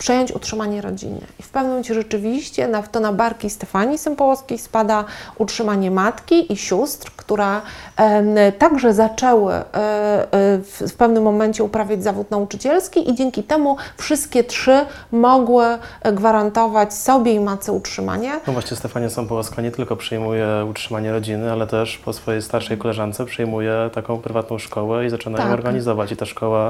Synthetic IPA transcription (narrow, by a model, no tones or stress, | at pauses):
pʂɛjɔɲt͡ɕṵtʂɘmaɲɛɾɔ̰d͡ʑḭnɘ̰ifpɛvnmɛt͡ɕɛʐɛt͡ʂɘvʲiɕt͡ɕɛnat̪ɔnabaɾkʲist̪ɛfaɲisɛmpɔwɔskʲejspad̪aʔutʂɘmaɲɛmat̪kʲiʔiɕust̪ɾkt̪uɾɛ | t̪aɡʐɛzat͡ʂɛwɘ̰ | ffpɛvnɘmːɔmɛɲt͡ɕɛupɾavʲjad͡ʑzavut̪naut͡ʂɘt͡ɕɛlskʲiʔid͡ʑɛŋkʲit̪ɛmufʂɘst̪̚kʲɛtʂɘmɔɡwɘɡvaɾant̪ɔvat͡ɕsɔbʲjɛimat̪sɛutʂɘma̰ɲɛnɔvwaɕɲɛst̪ɛfaɲɛsɔ̃w̃pɔwaskaɲɛt̪ɘlkɔpʂɛjmujɛutʂɘmaɲɛɾɔd͡ʑinɘalɛt̪ɛʂpɔsfɔjejst̪aɾʂɛjkɔlɛʐant̪sɛpʂɛjmujɛt̪akɔ̃w̃pɾɘvat̪nɔ̃w̃ʂkɔwɛizat͡ʂɘnaj̪ɔ̃ɔɾɡaɲizɔvat͡ɕit̪aʂkɔwa